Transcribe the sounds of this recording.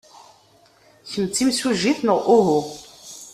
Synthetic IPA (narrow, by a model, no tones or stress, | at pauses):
çəmt͡sːimsuʒiθnəʁʔʊɦʊ